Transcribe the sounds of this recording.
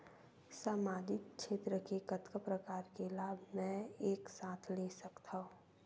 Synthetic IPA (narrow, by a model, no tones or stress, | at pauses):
saːmaːd͡ʒɪkkʃeːt̪ɾəkekət̪kəpɾəkaːɾkelaːbʱmɛ̃eːksaːt̪ʰlesəkt̪ʰaɦõ